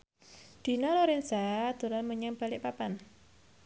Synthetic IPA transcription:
d̪̥i̤naloɾɛnsad̪̥o̤ɾanməɲaŋb̥a̤lɪʔpapan

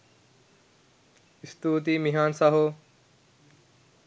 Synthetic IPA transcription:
ɪst̪uːt̪̬iːmiɦaːnsaːɦoː

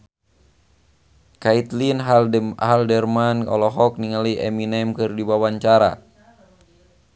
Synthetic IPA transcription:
kait̪linhaldɛrmanɔ̰lɔɦɔk̚niŋaliʔɛminɛmkɨrdiwawaɲt͡ʃaɾa̰

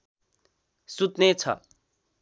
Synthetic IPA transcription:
sut̪net͡sʰʌ̰

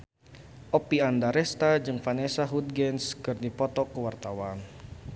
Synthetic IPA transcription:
ʔɔpiandaɾɛst̪ad͡ʒɨŋfanɛsaɦud̪̚ɡɛnskɨrdipɔt̪ɔkːəwart̪awan

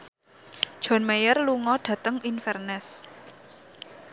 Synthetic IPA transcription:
d̥ʒ̥ɔ̤nmejərluŋɔɖ̥ä̤t̪əŋinfɛrnɛs

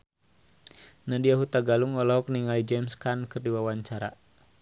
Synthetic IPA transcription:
nadiaɦut̪aɡaluŋɔlɔɦɔk̚niŋalid͡ʒɛmskankɨrdiwawaɲt͡ʃaɾa

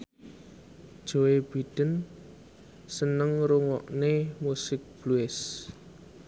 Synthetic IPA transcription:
d̥ʒ̥o̤eb̥id̪̥ən | sənəŋɾuŋɔʔnemusɪk̚b̥luɪs

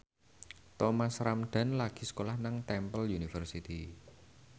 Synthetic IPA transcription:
t̪ɔmasɾamɖ̪̥a̤nlaɡ̥i̤sə̥kolahnaŋt̪ɛmpəljunifərsit̪i

